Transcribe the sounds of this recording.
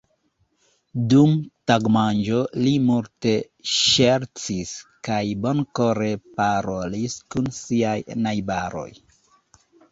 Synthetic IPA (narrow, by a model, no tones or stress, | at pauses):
dumtaɡmand͡ʒo̞limulte̞ | ʃeɾt͡siskajbo̞nko̞ɾe̞paɾo̞liskunsiajnajbaɾo̞̰j